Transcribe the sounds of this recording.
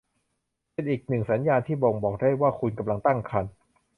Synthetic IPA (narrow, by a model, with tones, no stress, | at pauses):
pe˧nʔiː˨˩k̚nɯ˨˩ŋsa˩˦njaː˧nt̪ʰiː˥˩bo˧ŋbɔː˨˩k̚daː˥˩jwaː˥˩kʰu˧nka˧mla˧ŋt̪a˥˩ŋkʰa˧n